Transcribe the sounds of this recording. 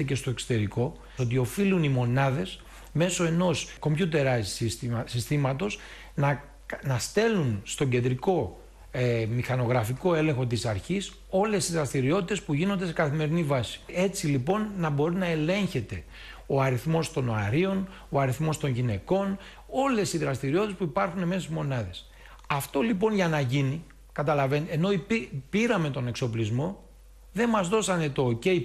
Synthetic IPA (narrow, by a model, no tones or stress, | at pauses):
ece̞st̪o̞e̞kso̥t̪e̞ɾiko̞ | ot̪̬io̞filunimo̞nɐðe̞s | me̞so̞e̞no̞sko̞mçut̪e̞ɾɐssissist̪imɐt̪o̞s | nɐ | nɐst̪e̞lunst̪o̞ɟe̞nd̪ɾiko̞ | emixɐno̞ɣɾɐfiko̞e̞lẽ̞ŋxo̞t̪̬isɐɾçis | o̞le̞st̪izɾɐst̪iɾio̞t̪it̪e̞spuʝino̞nd̪e̞sekɐθime̞ɾinivɐsi̥e̞t͡silipo̞nːɐbo̞ɾinɐe̞le̞ɲçe̞t̪e̞ | o̞ɐɾiθmo̞st̪o̞noɐɾio̞n | oɐɾiθmo̞st̪o̞nʝine̞ko̞n | o̞le̞siðɾɐst̪iɾio̞t̪t̪espuipɐɾxune̞me̞sezmo̞nɐðe̞s | ɐft̪o̞lipo̞nʝɐnɐʝini | kɐt̪̬ɐlɐve̞neno̞ipipiɾɐme̞t̪o̞ne̞kso̞plizmo̞ | ðe̞nmɐzðo̞sɐne̞t̪o̞ːce̞i